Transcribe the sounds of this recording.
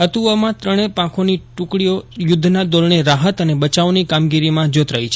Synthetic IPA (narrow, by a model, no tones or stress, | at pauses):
ət̪uəmãt̪ɾəɽ̃epãkʰoniʈʊ̃kɽiojʊd̪ʱːnad̪olɳeɾaɦət̪ənebət͡ʃaonikamɡiɾimãd͡ʒot̪ɾəɦit͡ʃʰe